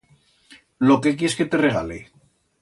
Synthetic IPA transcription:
lokek̬jeske̞t̪e̞reɣalḛ

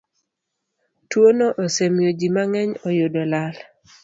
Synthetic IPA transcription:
twonoʔosemjod͡ʒimaŋɛɲɔjodolal

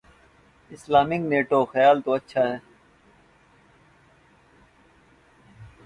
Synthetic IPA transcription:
ɪslaːmɪkneːʈoːxəjaːlt̪oːɐtːʃʰaːɦɛː

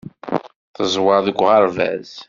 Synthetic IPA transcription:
θəzˤwɑðəɡʷʁɑɾˤvæ̰z̥

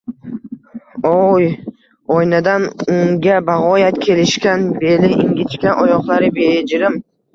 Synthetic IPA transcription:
oj | ɒjnad̪anʊŋɡʲabaʁɒjat̪kʲʰe̞lɪʃkʲanbe̞lɪʔɪŋɡʲɪt͡ʃkʲanʔɒjɒqlˠaɾɪbed͡ʒɪɾɪm

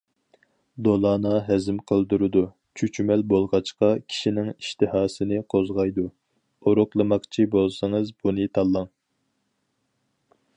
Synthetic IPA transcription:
d̪olˠɑːnɑɦɛzɪmqʰəlˠd̪uɾɨd̪u | t͡ʃʰyt͡ʃymɛlbolˠʁɑt͡ʃqɑkʲʰi̥ʃinɪŋiʃt̪ɨhɑːsɨnɨqʰozʁɑjd̪u | oɾʊqlˠəmɑqt͡ʃʰibolˠsɨŋɨzbunɨt̪ʰɑlˠːɑŋ

